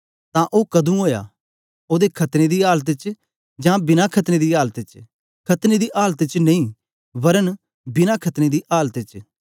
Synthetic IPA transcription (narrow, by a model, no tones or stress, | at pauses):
t̪ãʔoːkɐd̪ũɦoːja̰ | oːd̪ekʰɐt̪ned̪iaːlt̪t͡ʃ | d͡ʒãbɪnakʰɐt̪ned̪iaːlt̪t͡ʃ | kʰɐt̪ned̪iʔaːlt̪t͡ʃneĩː | bɐɾən | bɪnakʰɐt̪ned̪iʔaːlt̪ɪt͡ʃ